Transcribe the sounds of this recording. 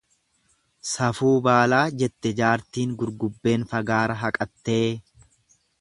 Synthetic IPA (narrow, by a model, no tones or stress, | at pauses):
sɐfuːbaːlaːd͡ʒɛt̪ːɛd͡ʒaːɾt̪iːŋɡʊɾɡʊbːe̞ːnfɐɡaːɾɐɦɐkʼɐt̪ːe̞ː